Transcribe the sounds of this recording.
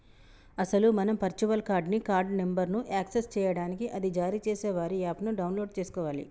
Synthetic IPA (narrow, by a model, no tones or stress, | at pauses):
ɐsɐlumɐnɐmpɐɾt͡ʃuʋɐlkaːɾɖnikaːɾɖne̞mbɐɾnuʔaːksest͡ʃɛːjɐɽaːnikiʔɐd̪id͡ʒaːɾit͡ʃeːsɛːʋaːɾiaːpnuɖɐwnloːɖ̚t͡ʃeːsu̥kɔːʋaːlḭ